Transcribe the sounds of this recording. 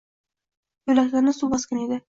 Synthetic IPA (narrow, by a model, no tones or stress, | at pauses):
jɵlakʲlaɾnɪsubɒskʲaned̪ɪ